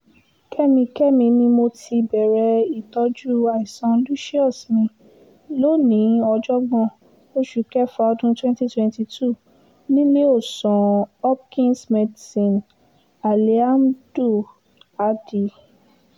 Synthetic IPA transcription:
kʰɛ˦mĩ˧kɛ˦mĩ˧mĩ˧mo˧tʰi˧bɛ˨ɾɛ˧i˨tɔ˧˦d͡ʒu˦a˨i˨sɔ̃˧nlu˦ʃi˦ɔ˦˨smĩ˧ | lo˦nĩ˨˦ɔ˧d͡ʒɔ˦ɡɔ̃˧˨ | o˦ʃu˨kɛ˦fɔ˧ɔ˧dũ˦twɛ̃˦nti˦twɛ̃˧nti˧tu˦˨ | nĩ˦le˦o˦˨sɔ̃˨ɔ˦kĩ˦nsmɛ˧di˨sĩ˨n | a˨li˨a˦mdu˦˨ | a˨˦di˨

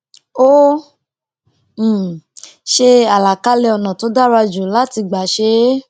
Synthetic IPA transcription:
o˦˨ | ʃe˧a˨la˨ka˦lɛ˧ɔ˧nã˨to˨˦da˦ɾa˧d͡ʒu˨la˨˦ti˧ɡ͡ba˨ʃe˦

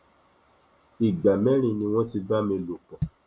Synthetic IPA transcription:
i˨ɡ͡ba˨mɛ˦ɾ̃ĩ˧nĩ˧w̃ɔ̃˦ti˧ba˦mĩ˧lo˨k͡pɔ̃˨

